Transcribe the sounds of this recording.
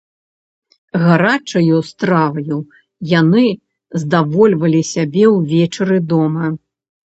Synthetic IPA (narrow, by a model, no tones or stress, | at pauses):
ɣaɾat͡ʂɐjust̪ɾavɐju | janɨ | zd̪avɔlʲvɐlʲisʲabʲɛwvʲɛt͡ʂɐɾɨd̪ɔmɐ